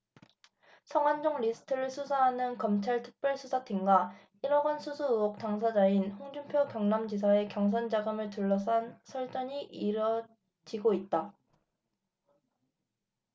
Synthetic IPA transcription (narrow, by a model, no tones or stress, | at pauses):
sʰʌŋwand͡ʑoŋɾisʰɯ̥tʰɯɾɯɭsʰusʰaɦanɯnkʌmt͡ɕʰaɭtʰɯ̥k̚p͈jʌɭsʰusʰatʰiŋɡa | iɾʌɡʌnsʰusʰuuok̚t͈aŋs̬ʰad͡ʑainhoŋd͡ʑumpʰjokjʌŋnamd͡ʑis̬ʰae̞kjʌŋs̬ʰʌnd͡ʑaɡɯmɯɭtuɭːʌs̬ʰansʰʌɭt͡ɕ͈ʌɲiʔiɾʌ | d͡ʑiɡoit̚t͈a